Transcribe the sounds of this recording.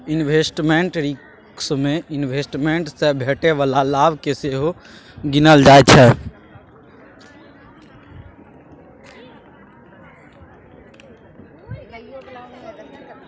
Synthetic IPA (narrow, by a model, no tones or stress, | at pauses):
inʋʱesʈmeɳʈɾik | smẽinʋʱesʈmeɳʈsəbʱeːʈeʋəlalabkeseɦo | ɡinəld͡ʒaːet͡ʃʰɛ